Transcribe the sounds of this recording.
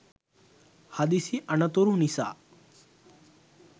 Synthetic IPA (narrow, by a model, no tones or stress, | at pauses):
had̪isiʔɐnət̪oɾũnisa̰ː